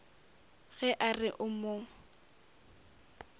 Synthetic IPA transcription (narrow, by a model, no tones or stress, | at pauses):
ɣɛʔarɪʔʊmoːŋ̩